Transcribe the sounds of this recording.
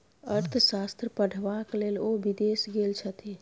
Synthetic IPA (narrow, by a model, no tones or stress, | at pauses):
əɾt̪ʰʃast̪ɾəpəɽ̤ʱʋakleːlobid̪eːsɡelt͡ʃʰət̪i